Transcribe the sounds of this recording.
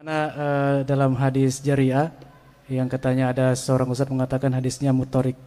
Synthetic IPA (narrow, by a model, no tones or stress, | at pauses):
naədalamɦadɪsd͡ʒaɾia | jaŋkət̪aɲaːdasəoɾaŋusat̪̚məŋat̪akanɦadɪsɲamut̪oɾɪk̚